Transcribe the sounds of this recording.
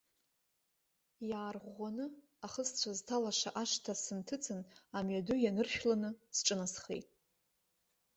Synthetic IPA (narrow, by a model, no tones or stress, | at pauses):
jaːrʁʷanɨ | aχəst͡sʷʰaztʰalaʂaʔaʂtʰasɨntʰɨt͡sʰʼɨnamɥadʊjanɨrʃᶣlanɨsʈ͡ʂʼɨnasχḛjtʼ